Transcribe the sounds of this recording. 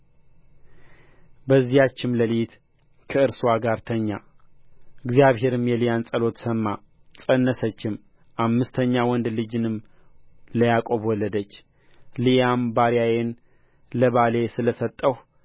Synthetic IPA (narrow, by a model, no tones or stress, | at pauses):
bəzːijat͡ʃːɪmləlit̪ | kʰəɨɾswaɡaɾt̪ʰəɲːa | ɨɡzijaβɦe̞ɾɨmjɛlijansʼəlo̞t̪səmːa | sʼənːəsət͡ʃːɪm | ʔamːɨst̪ʰəɲːawɔnd̪lɨd͡ʒɨnɨm | ləjakʼo̞βwɔlːəd̪ət͡ʃː | lijambaɾijajen | ləβale̞sɨləsət̪ʼːəh